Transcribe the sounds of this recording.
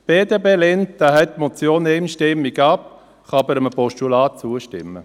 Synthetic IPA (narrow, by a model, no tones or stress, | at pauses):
b̥eːdebeːlentd̥̪aːɦɛt̚ːmot͡sjoːneɪmʃtɪmːiɡɑp | χɑbəɾəmpɔʃtulaːt̚t͡suəʃtɪmːə